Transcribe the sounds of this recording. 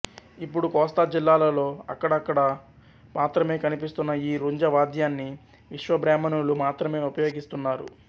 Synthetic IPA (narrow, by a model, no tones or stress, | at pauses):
ipːuɽukɔːst̪ad͡ʒilːaːlɐlo̞ːɐ̰kːɐɽɐːkːɐɽɐ | maːt̪ɾɐme̞ːkɐnipist̪unːɐiːɾuɲd͡ʒɐʋaːd̪jaːnːi | ʋiʃʋɐbɾaːmɐnulumaːt̪ɾɐme̞ːupɐjo̞ːɡist̪unːaːɾṵ